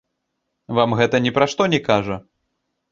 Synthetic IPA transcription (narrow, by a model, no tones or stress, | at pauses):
vamɣɛt̪ɐnʲɛpɾaʂt̪ɔnʲɛkaʐɐ